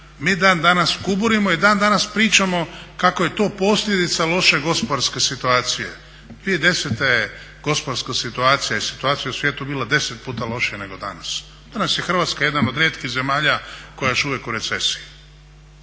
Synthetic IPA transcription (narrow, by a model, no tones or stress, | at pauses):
miːd̪aːnd̪anaskubuɾimoid̪aːnd̪anaspɾiːt͡ʃamo̞kako̞je̞t̪o̞ːpo̞sʎed̪it̪salˠo̞ʃe̞ɡo̞spoaɾske̞sit̪uaːt̪sije̞̰ | d̪ʋie̞d̪e̞set̪e | ɡ̥o̞spoɾskasit̪uaːt̪sijajesi̥t̪uaːt̪sijausʋjeːt̪ubiːlˠad̪e̞set̪̚puːt̪alˠo̞ʃijane̞ɡo̞d̪a̰nas | d̪̥anasjexr̩ʋaːt̪skaje̞d̪anod̪ɾjeːt̪kiɣze̞maːʎako̞jaoʃuʋjekuɾe̞t̪sesi